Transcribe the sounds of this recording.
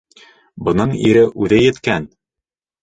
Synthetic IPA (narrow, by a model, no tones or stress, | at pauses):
bɤ̆nɤɴiɾɘʔʉðɘjɘ̆t̪kæn